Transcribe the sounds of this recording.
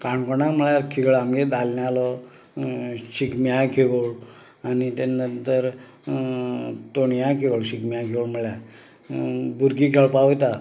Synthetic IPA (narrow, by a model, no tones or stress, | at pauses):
kaɳkɔnam̤əɭjakʰiɡɭamɡed̪alnjalɔ | ɕikmjakʰeʋoɭ | anit̪ɛnənt̪əɾ | t̪oɳjakʰeʋoɭɕikmjãkʰeʋəɭm̤əɭja | buɾɡikʰeɭpaot̪a